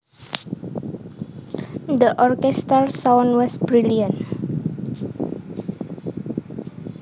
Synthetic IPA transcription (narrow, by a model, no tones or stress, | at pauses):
d̪əʔɔɾkɛstəɾsãwnwɔsbɾiliə̃nt